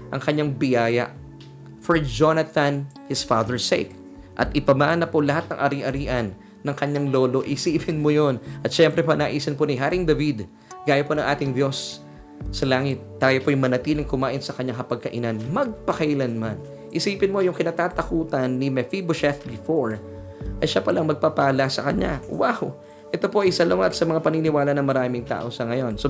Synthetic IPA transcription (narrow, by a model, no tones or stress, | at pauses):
ʔɐŋkɐɲaŋbɪjaːjɐ̰ʔ | foɹd͡ʒonɐt̪ɐnhɪsfaːd̪ɛɹsḛjk | ʔɐt̪ʔɪpɐmanɐpolɐɦat̪̚nɐŋʔɐɾiʔɐɾiːʔɐnː | ɐŋkɐɲaŋlo̞ːlo̞ʔɪsiːpɪnmojonʔɐt̪ʃɛmpɾɛpɐnɐʔiːsɐnponɪɦaɾɪŋd̪ɐvid̪ | ɡaːjɐponɐ̃ŋʔaːt̪ɪŋd̪jo̞sː | ɐlaːŋɪt̪̚ːaːjopojʊŋmɐnɐt̪iːlɪŋkʊmaːʔɪnsɐkɐɲaŋkɐpɐɡ̚kɐʔɪ̰nanmɐɡ̚pɐkɐʔɪlanman | ʔɪsiːpɪnmo̞jʊŋkɪnat̪aːt̪ɐkuːt̪ɐnːɪmɛfiboʃɛθbɪfoɹ | ʔɐjʃapɐlaŋmɐɡ̚papaːlɐsɐkɐɲa̰waw | ʔɛt̪o̞po̞ʔɐjsɐloŋɐt̪sɐmɐŋapɐninɪwaːlɐnɐŋmɐɾaːmɪŋt̪a̰ːʔo̞sɐŋɐjonso